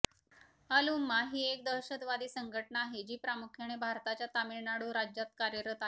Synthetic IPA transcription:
əlumːaɦiːek̚d̪əɾɕət̪ʋad̪iːsəŋɡʱəʈnaːɦed͡ʑiːpɾamukʰjeɽ̃ebʱaɾt̪at͡ɕjat̪amiɭnaɽuɾad͡ʑjat̪̚kaɾjəɾət̪ae

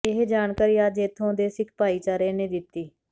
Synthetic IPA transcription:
ɪɦed͡ʒaːɳkaːɾiːaːd͡ʒeːt̪ʰːõːd̪eːsɪkʰpaːiːt͡ʃaːɾeːnẽːd̪ɪt̪ːiː

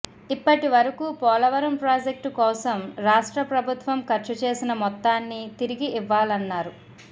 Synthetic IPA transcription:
ipːɐʈiʋɐɾɐkuːpɔːlɐʋɐɾɐmpɾaːd͡ʒek̚ʈkɔːsɐmɾaːʂʈɾɐpɾɐbʱut̪ʋɐmkɐɾt͡ʃɐt͡ʃeːsinɐmɔt̪ːaːnːit̪iɾiɡiiʋːaːlɐnːaːɾu

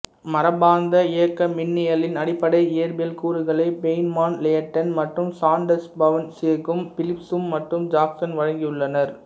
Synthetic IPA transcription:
mɐɾɐbaːnd̪ɐejɐkːɐmɪnːɪjɐlɪnɐɽɪpːɐɽɐɪɪjɐɾbɪɐlkuːɾɯɣɐɭɐɪbeɪnmaːnleɐʈːɐnmɐʈrɯmsaːɳɖɐsbɐʋɐnseɐkːɯmfɪlɪpsɯmːɐʈrɯmd͡ʒaːksɐnʋɐɻɐŋɡɪjɯɭːɐnɐɾ

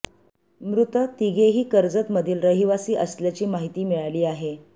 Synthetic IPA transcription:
mɾut̪ət̪iɡeɦiːkəɾd͡zət̪məd̪ʱiːlɾəɦiʋasiːʔəsljat͡ɕiːmaɦit̪iːmiɭaliːaɦe

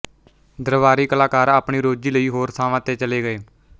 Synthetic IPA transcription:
d̪əɾʋaːɾiːkəlaːkaːɾaːpɳiːɾoːd͡ʒiːləiːɦoːɾsaːʋãːt̪eːt͡ʃəleːɡəeː

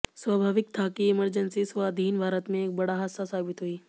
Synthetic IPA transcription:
sʋabʱaːʋɪk̚t̪ʰaːkiɪməɾd͡ʒənsisʋaːd̪ʱiːnbʱaːɾət̪mẽeːk̚bɐɽaɦasːasaːbɪt̪ɦuiː

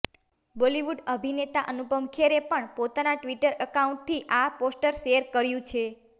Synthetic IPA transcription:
boliʋuɖəbʱinet̪aʔənubəmkʰeɾepəɳpot̪anaʈʋiʈəɾʔəkaũɳʈ̚t̪ʰiʔaposʈəɾʃeəɾkəɾjũt͡ʃʰe

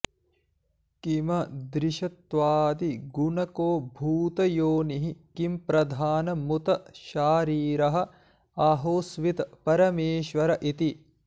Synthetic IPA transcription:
kimɐd̪ɾiʃɐt̪ʋaːd̪iɡunɐkoːbʱuːt̪ɐjoːniɦikimpɾɐd̪ʱaːnɐmut̪ɐʃaːɾiːɾɐɦɐ̆ | aɦoːsʋit̪ɐpɐɾɐmeːʃʋɐɾɐʔit̪i

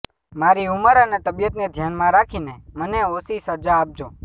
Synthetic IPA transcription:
maːɾiuməɾanet̪əbjət̪ned̪ʱjaːnmãɾakʰineməneosisəɾd͡ʒaːp̚d͡ʒoː

